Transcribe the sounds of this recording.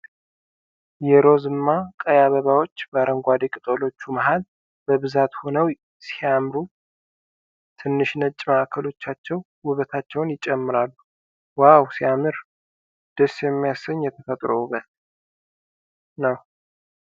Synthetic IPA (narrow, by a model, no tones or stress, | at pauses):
jɛɾo̞zɨmːakʼəjaβəβawo̞t͡ʃːbaɾəŋɡʷad̪ekʼɨt̪ʼolo̞t͡ʃːumaɦal | bəβɨzat̪ho̞nəw | sijamɾu | t̪ʰɨnːɨʃnət͡ʃʼmaʔakʰəlo̞t͡ʃːat͡ʃːɛw | wʊβət̪ʰat͡ʃːɛwnjɪt͡ʃʼːɛmːɨɾalːu | wawsijamɨɾ | d̪̥əsjɛmːijasəɲːjɛt̪ʰəfət̪ʼɾowβət̪ | nəw